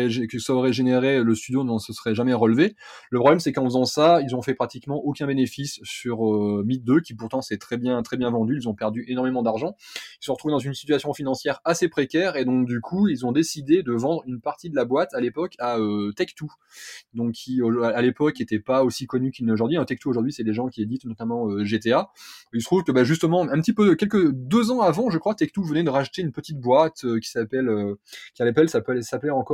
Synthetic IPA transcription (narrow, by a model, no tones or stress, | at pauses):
ɛʒkəsaɔʁɛʒeneʁeləst̪yd̪jonɔ̃nsəsəʁɛʒamɛʁəlve | ləpχɔblɛmsɛkɑ̃fəzɑ̃sailzɔ̃fɛpχat̪ikmɑ̃ʔokʲɛ̃benefisːyʁømit̪̚d̪økʲipuʁt̪ɑ̃sɛt̪χɛbjɛ̃t̪χɛbjɛ̃vɑ̃d̪yilzɔ̃pɛʁd̪yʔenɔʁmemɑ̃d̪aʁʒɑ̃ilsɔ̃ʁət̪χuved̪ɑ̃zynsit̪yasjɔ̃finɑ̃sjɛʁasepχekʲɛʁed̪ɔ̃kd̪ykʰuilzɔ̃d̪esid̪ed̪əvɑ̃d̪ʁynpaʁt̪id̪əlabwat̪alepɔkʰaøt̪ɛkt̪u | d̪ɔ̃kʲːʰioalepɔket̪ɛpaosikɔnykʲynoʒuʁd̪ɥiɛ̃t̪ɛk̚t̪uoʒuʁd̪ɥisɛd̪eʒɑ̃kʲied̪it̪nɔt̪amɑ̃øʒet̪eailsət̪χuvkəbaʒyst̪əmɑ̃ɛ̃pət̪ipøkʲɛlkəd̪øzɑ̃avɑ̃ʒəkχwat̪ɛk̚t̪uvənɛd̪əʁaʃt̪eynpət̪it̪̚bwat̪økʲi̥sapɛløkʲialepɛlsapøalɛsapleɑ̃kɔ